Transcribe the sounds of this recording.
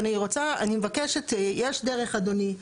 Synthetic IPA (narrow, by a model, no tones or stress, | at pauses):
aniʁo̞t͡saa̰nimevakeʃetjeʃdeʁeχad̪oni